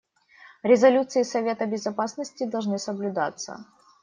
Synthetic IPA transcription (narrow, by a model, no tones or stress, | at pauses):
ɾʲɪzɐlʲut̪sɨɪsɐvʲe̞t̪əbʲɪzɐpasnəsʲtʲɪd̪ɐlˠʐnɨsəblʲʊd̪at̪sːə̰